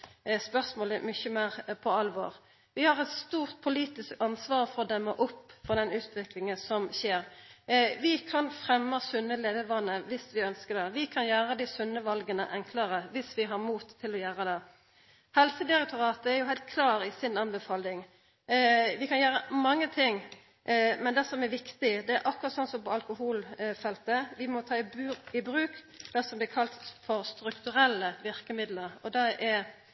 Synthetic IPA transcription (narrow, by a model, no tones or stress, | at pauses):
spœʁsmoːləmʏçəmeːʁpʰɔɑlʋo̰ːʁ | ʋɪhɑʁɛt̪st̪uːʁt̪̚pʰʊliːt̪ɪskɑnsʋɑːʁfɔʁd̪ɛmːəʔɔpːfɔʁd̪ɛnʉːt̪ʰʋɪklɪŋənsɔmçeːɾ | ʋɪkʰɑnfʁɛmːəsʉnːəleːʋəʋɑnːəʋɪsʋɪœnskəd̪ɛʋɪkʰɑnjæːʁəd̪ɪsʉnːəʋɑlɡənə̰ʔɛŋkʰləɾəʋɪsʋɪɦɑʁmuːt̪ʰːɪlɔjæːɾəd̪ɛ | hɛlsəd̪ɪɾɛk̚t̪ʊʁɑːt̪əæɾjʊɦæɪlt̪̚kʰlɑːɾɪsɪnɑnbəfɑːlɪŋ | ʋɪkʰɑnjæːɾəmɑŋːət̪ʰɪŋː | mɛnd̪ɛsɔmɛɾʋɪkt̪ɪd̪ɛæɾʔɑkːʉʁɑt̪sɔnt̪sɔmpɔɑlkʊhuːlfɛlt̪əʋɪmɔt̪ʰɑːɪbʉːɾɪbɾʉːk | d̪̥ɛsɔmblɪːɾkʰɑlt̪fɔɾst̪ɾʉkt̪ʉɾɛlːəʋɪʁkəmɪd̪ləɾɔd̪ɑʔɛ